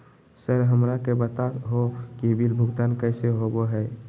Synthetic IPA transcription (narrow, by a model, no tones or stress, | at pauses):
səɾɦəmɾakebət̪aɦokibilbʱʊɡt̪ankəɪseɦoboɦɛɪ